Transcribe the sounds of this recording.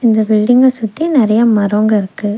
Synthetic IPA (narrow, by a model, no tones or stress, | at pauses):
ɪnd̪ɐbɪɭːɪŋɡɐsʊt̪ːinɪɾɐjɐmɐɾoːŋɡɐɪɾɯkːɯ